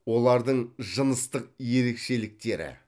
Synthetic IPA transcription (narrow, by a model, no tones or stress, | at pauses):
wo̞lˠɑɾd̪əɴʒənəst̪əq̚je̞ɾe̞kʃe̞lɪk̚t̪e̞ɾɪ̰